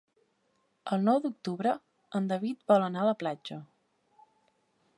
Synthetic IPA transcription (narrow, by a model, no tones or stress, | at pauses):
əlˠnɔwd̪uk̚t̪uβɾə | ənd̪əβit̪̚bɔlənaðəplad͡ʒə